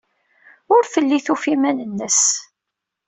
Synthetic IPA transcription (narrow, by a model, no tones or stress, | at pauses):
ʊɾfəlːiθufimænənːəs